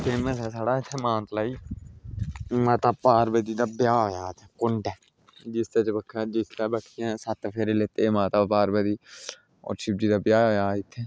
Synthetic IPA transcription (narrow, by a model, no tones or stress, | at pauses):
keːməsɛːsaːɽaːɪt̪ʰːemãːnt̪laːiː | mat̪aːpaːɾbəd̪iːd̪aːbjaːojaːt̪ʰekʊɳɖɛː | d͡ʒist̪et͡ʃbəkʰːad͡ʒist̪aːbəkʰːijãsat̪pʰeɾeleːt̪emaːt̪aːpaːɾbəd̪iː | ɔ̰ːɾʃɪp̚d͡ʒiːd̪aːbjaːojaːɪt̪ʰːeː